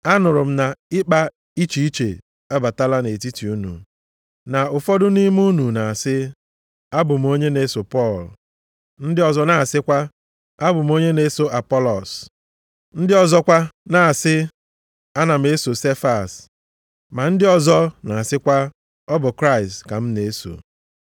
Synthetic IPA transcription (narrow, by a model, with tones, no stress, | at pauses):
a˦nʊ˨ɾʊ˨m̩˦na˨ɪ˦k͡pa˦ | i˦t͡ʃi˨i˦t͡ʃḛ˨ | a˦ba˨ta˦la˦ne˨ti˦ti˨u˦nṵ˨ | na˨ʊ˨fɔ˦dʊ˦ni˦m˦u˦nu˨na˨a˨sɪ˦ | a˦bʊ˨m̩˨o˦ɲe˦ne˦so˨pɔ˦˨l | n̩˦dɪ˦ɔ˨zɔ˦na˨a˨sɪ˦kʷa˦ | a˦bʊ˨m˦o˦ɲe˦ne˦so˨ʔa˨pɔ˦lɔ˨s | n̩˦dɪ˦ɔ˦zɔ˦kʷa˦na˨a˨sɪ˦ | a˦na˨m̩˨e˦so˨se˦fa˨s | ma˨n̩˦dɪ˦ɔ˦zɔ˦na˨a˨sɪ˦kʷa˦ | ɔ˦bʊ˨kɾa˦ɪ˨stka˨m̩˦ne˨e˦so̰˨